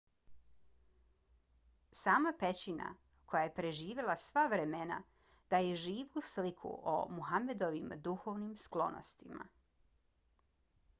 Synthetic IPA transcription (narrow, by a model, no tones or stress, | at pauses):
saːmapet͡ɕina̰ | kʰo̞jaje̞pɾe̞ʒiːʋe̞lˠasʋaʋɾe̞mena̰ | d̪̥aje̞ʒiːʋuslikʰṵʔo̰muɦame̞d̪o̞ʋimd̪uxo̞ʋnimsklˠo̞̰no̰st̪ima̰